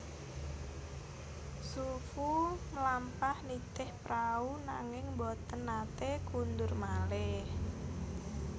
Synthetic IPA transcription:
sufuməlampahnit̪ɪhpɾaunaŋɪŋbɔt̪ənːat̪ekund̪ʊrmalɪh

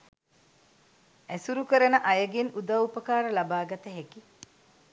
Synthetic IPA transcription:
æsuɾukəɾɐnəʔajəɡenud̪aupəkaːɾəlabaːɡat̪əɦeki

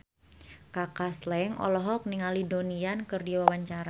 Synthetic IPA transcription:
kakaslɛŋɔ̰lɔɦɔk̚niŋalidoniankɨrdiwawaɲt͡ʃaɾa

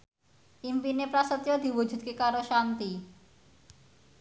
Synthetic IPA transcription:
ʔimpinepɾasət̪jod̪i̤wud͡ʒṳt̪̚kekaɾoʃant̪i

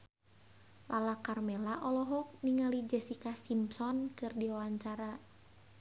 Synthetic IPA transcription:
lʔalakarmɛlaʔɔlɔɦɔk̚niŋalid͡ʒɛsikasimsɔnkɨrdiwawaɲt͡ʃaɾa

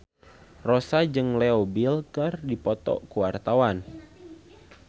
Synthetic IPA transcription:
rɔsad͡ʒɨŋlɛɔbilkərdipɔt̪ɔ̰kuwart̪awan

